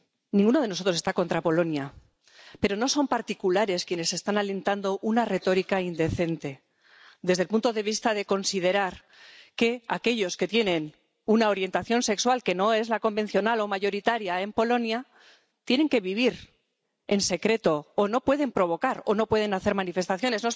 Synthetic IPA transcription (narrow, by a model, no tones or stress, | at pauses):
nĩŋɡuno̞ð̞e̞noso̞t̪ɾosest̪ako̞nt̪ɾapo̞lo̞nja | pe̞ɾo̞no̞so̞mpaɾt̪ikulaɾe̞skje̞ne̞sest̪anale̞nt̪and̪o̞ʔunare̞t̪o̞ɾikaind̪e̞θe̞nt̪e̞ | d̪e̞zð̞e̞lpunt̪o̞ðe̞β̞ist̪aðe̞ko̞nsið̞e̞ɾaɾ | ke̞a̰ke̞ʎo̞ske̞t̪je̞nẽ̞n | unao̞ɾje̞nt̪aθjo̞nse̞kswalke̞no̞e̞zlako̞mbẽ̞n̟θjo̞nalo̞maʝo̞ɾit̪aɾjae̞mpo̞lo̞nja | t̪je̞neŋke̞β̞iβ̞iɾ | e̞nse̞kɾe̞t̪o̞ːno̞pwe̞ðe̞mpɾo̞βo̞kaɾo̞no̞pwe̞ð̞e̞naθe̞ɾmanife̞st̪aθjo̞ne̞zno